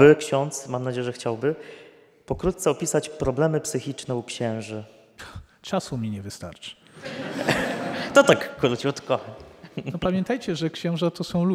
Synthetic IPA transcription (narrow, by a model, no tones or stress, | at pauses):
bɘkɕɔnt̪smamnad͡ʑejɛʐɛxt͡ɕawbɘ | pɔkɾut̪̚t̪sɛɔpʲisat͡ɕpɾɔblɛmɘpsɘxʲit͡ʂnɛukɕɛ̃w̃ʐɘ | t͡ʂasumʲiɲɛvɘst̪a̰ɾt͡ʂɨ̥ | t̪ɔt̪akːuɾut͡ɕiɔt̪kɔxaɲnɔpamʲjɛnt̪ajt͡ɕɛʐɛkɕɛ̃w̃ʐat̪ɔsɔ̃w̃lu